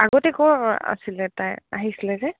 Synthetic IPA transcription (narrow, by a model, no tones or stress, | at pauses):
aɡɔtɛkɔɹa̰silɛtaja̰ɦisilɛzɛ